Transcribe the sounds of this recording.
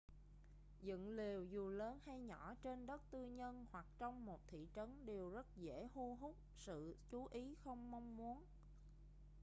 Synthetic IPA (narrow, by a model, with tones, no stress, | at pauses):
zɨ̰˧˨ŋli˨˩əwzu˨˩ləː˨˦nha˧jɲɔ˧˩t͡ɕe˧nɗə˦˥t̚t̪ɨ˧ɲə˧nhwa˨˩k̚t͡ɕɔ˧wŋ͡mmo˨˩t̚t̪ʰḭ˧˨t͡ɕə˨˦nɗe˨˩wzə˦˥t̚zḛ˧˥hu˧ɦu˦˥k͡p̚sɨ̰˧˨t͡ɕu˨˦ʔi˨˦xə˧wŋ͡mma˧wŋ͡mmu˨˦ən